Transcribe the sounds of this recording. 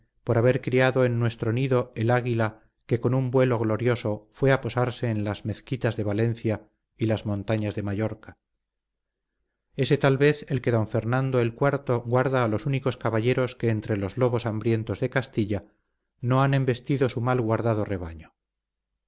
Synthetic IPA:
po̞ɾaβe̞ɾkɾiaðo̞enːwe̞st̪ɾo̞niðo̞elaɣila | ke̞ko̞numbwe̞lo̞ɣlo̞ɾjo̞so̞fwe̞apo̞saɾse̞ːnlazme̞θkit̪azðe̞βale̞n̟θja | ilazmõ̞nt̪aɲazðe̞maʝo̞ɾkḁ | e̞se̞t̪alβe̞θe̞lke̞ðo̞ɱfe̞ɾnãnd̪oe̞lkwaɾt̪o̞ɣwaɾðaːlo̞suniko̞skaβaʎeɾo̞ske̞ːnt̪ɾe̞lo̞zlo̞β̞o̞sambɾje̞nt̪o̞zðe̞kast̪iʎa | no̞ane̞mbe̞st̪iðo̞sumalɣwaɾðað̞o̞re̞β̞a̰ɲo

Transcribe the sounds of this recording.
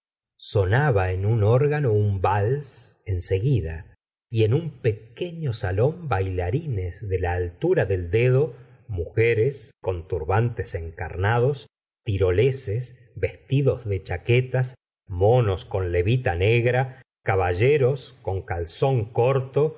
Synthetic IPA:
so̞naβaenunoɾɣano̞umbalse̞nseɣiða | ie̞numpe̞keɲo̞salo̞mbajlaɾinezðelaːlt̪uɾaðe̞ld̪eðo̞ | muxeɾesko̞nt̪uɾβant̪ese̞ŋka̰ɾnað̞o̞s | t̪iɾo̞leses | βe̞st̪iðo̞zðe̞t͡ʃaket̪as | mo̞nosko̞nle̞βit̪aneɣɾa | kaβaʒeɾosko̞ŋkalso̞ŋkoɾt̪o

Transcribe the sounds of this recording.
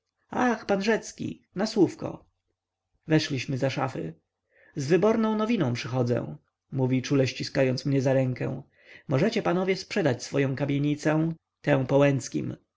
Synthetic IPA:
axpanʐɛt̪skʲḭnaswufkɔ̰ | vɛʂlʲiɕmɘzaʂa̰fɘ̰ | zvɘbɔɾnɔ̃w̃nɔvʲinɔ̃w̃pʂɘxɔd̪zɛ̰̃ | muvʲit͡ʂulɛɕt͡ɕiskajɔnt̪smɲɛzaɾɛŋkɛ̰̃w̃ | mɔʐɛt͡ɕɛpanɔvʲjɛspʂɛd̪at͡ɕsfɔjɔ̃w̃kamʲjeɲit̪sɛ̃ | t̪ɛ̃w̃pɔwɛnt̪skʲḭm

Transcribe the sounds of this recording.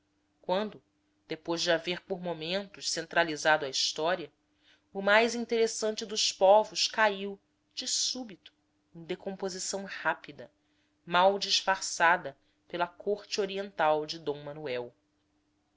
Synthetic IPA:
kwɐ̃nd̪ʊ | d̪̥epojzd͡ʒɪaveɾpoɾmomẽnt̪ʊʃsẽnt̪ɾalizad̪ʊɐiʃt̪ɔɾiɐ | ʊmajzĩnt̪eɾesɐ̃nt͡ʃɪd̪ʊspɔvʊskaiw | d͡ʒɪsubit̪ʊ̥ | ẽj̃d̪ekõpozisɐ̃w̃hapid̪ɐ | mawd͡ʒiʃfaɾsad̪ɐ | pelɐkʰoɾt͡ʃɪoɾiẽnt̪awd͡ʒɪd̪õw̃mɐnuɛw

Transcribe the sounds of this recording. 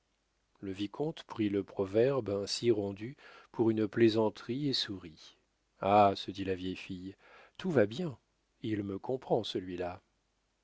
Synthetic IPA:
ləvikʰɔ̃t̪pχiləpχɔvɛʁbɛ̃siʁɑ̃d̪ypʰuʁynplezɑ̃t̪χiesuʁi | asəd̪ilavjɛjfij | t̪ʰuvabjɛ̃ | ilməkɔ̃pχɑ̃səlɥila

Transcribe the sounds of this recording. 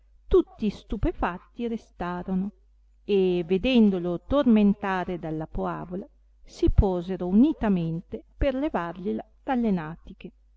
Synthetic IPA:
t̪ut̪ːist̪upefat̪ːiɾest̪aːɾono | eved̪ɛnd̪olot̪orment̪aːɾed̪alːapoa̰ːvola | sipɔːzeɾounit̪ament̪eperlevarʎila | d̪̥alːenaːt̪ike

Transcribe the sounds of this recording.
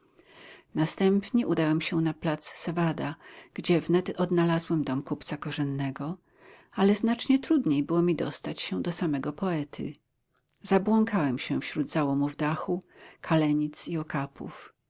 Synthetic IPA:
nast̪ɛmpɲɛʔud̪awɛmɕɛnaplat̪ssɛvad̪aɡ̥d͡ʑɛvnɛt̪ɔd̪nalazwɛmd̪ɔmkupt̪sakɔʐɛnːɛɡɔ | alɛznat͡ʂɲɛt̪ɾud̪ɲejbɘwɔmʲid̪ɔst̪at͡ɕɕɛd̪ɔsamɛɡɔpɔɛt̪ʰɘ̰ | zabwɔŋkawɛmɕɛfɕɾud̪zawɔmuvd̪axukʰalɛɲit̪siɔkapṵf

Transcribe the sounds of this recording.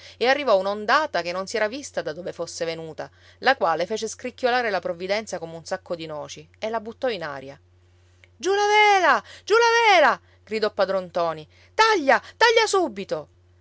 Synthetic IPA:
earːivɔunaond̪aːt̪akenːonsiɛːɾavist̪ad̪ad̪oːvefosːevenuːt̪a̰ | lakwaːlefeːt͡ʃeskɾikːolaːɾelapɾovːid̪ɛnt̪sakomeunsakːod̪inɔːt͡ʃi | elːabut̪ːɔina̰ːɾja̰ | d͡ʒulavɛːlad͡ʒulavɛːla | ɡ̥ɾid̪ɔpːad̪ɾont̪ɔːni | t̪aʎːat̪aʎːasuːbːit̪o

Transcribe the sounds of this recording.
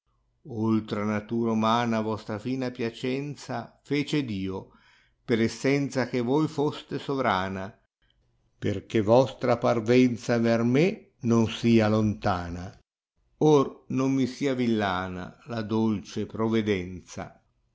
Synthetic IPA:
olt̪ɾanat̪uːɾaumaːnavɔst̪ɾafiːnapjat͡ʃɛnt̪safeːt͡ʃed̪iːo | peɾɛsːɛnt̪sak̟evojfost̪esovɾaːna | perk̟evɔst̪ɾaparvɛnt̪saverme | nonsiːalont̪aːna | ornomːisiːavilːaːna̰lad̪olt͡ʃepɾoved̪ɛnt̪sa̰

